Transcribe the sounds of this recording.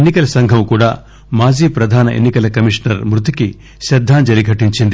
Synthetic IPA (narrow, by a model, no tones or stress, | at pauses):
enːikɐlɐsɐŋɡʱɐmkuːɽaː | maːd͡ʒiːpɾɐd̪ʱaːnɐʔḛnːikɐlɐkɐmiʂnɐɾmɾut̪iki | ʃɐd̪ʱːaːɲd͡ʒɐɾiɡʱɐʈiɲt͡ʃind̪i